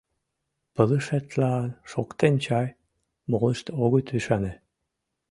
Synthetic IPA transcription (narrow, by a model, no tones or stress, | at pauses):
pələʃet̪lɑʃokt̪ent͡ɕɑj | moləʃt̪oɣot̪yʃɑne